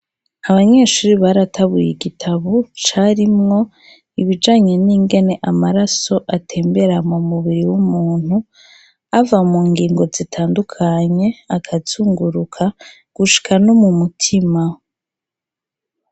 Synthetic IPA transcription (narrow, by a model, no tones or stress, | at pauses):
aβaɲe̞ʃuːɾiβaɾatʰaβujiɡitʰaβot͡ʃaɾimŋo̞ | iβid͡ʒaːɲe̞niːŋɡe̞ne̞ʔamaɾaso̞ʔatʰe̞ːmbe̞ɾamumuβiɾiwumuːn̥u | avamuːŋɡiːŋɡo̞zitʰaːndukʰaɲe̞akʰat͡suːŋɡuɾukʰa | ɡ̥uʃi̥kʰano̞mumutʰima